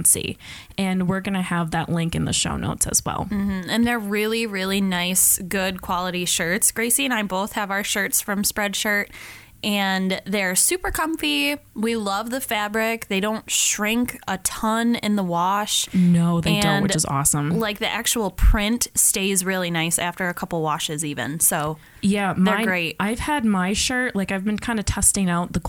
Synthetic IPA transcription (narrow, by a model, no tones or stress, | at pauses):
sḭʔɨ̃nwɪɹɡʌnɨəvðɨ̰ʔˡlɪ̃ŋkɨ̃nðɨ̰ʃo̰ʊno̰ʊtsɨ̰z̥wɛ̰lˠm̩m̥m̩ɨ̃nðə˞ɹɪlˠiɹɪlˠinaɪsɡ̥ʊd̚kʰw̥ɑlˠəɾiʃɜ˞tsɡ̥ɹeɪsiɨ̃naɪboʊθhɨvaʊə˞ʃɜ˞tsfɹʌ̃mspɹɛd̥ʃɜ˞t̚ | ʔɨ̃nðeɪə˞sʉpə˞kʰʌ̃ɱfiwilʌvðɨfæbɹɪk̚ðeɪɾõʊ̃ntʃɹɪ̃ŋkətʰʌ̃nɪ̰̃nðəwɑʃnoʊðeɪɨdʌ̃nwɨt͡ʃɨzɔ̰sə̃mlaɪk̚ðiʔæk̚t͡ʃul̩ˠpʰɹ̥ɪ̃ntsteɪzɹɪlˠinaɪsæftə˞ɨkʰʌpl̩ˠwɑʃɨzivɨ̰̃nsoʊ | jæmðə˞ɡɹeɪt̚ʔaɪv̥əd̚maɪʃɜ˞tlaɪkaɪvbɨ̃nkʰãɪ̃ndɨtʰɛstɪ̃ŋaʊt̪̚ðək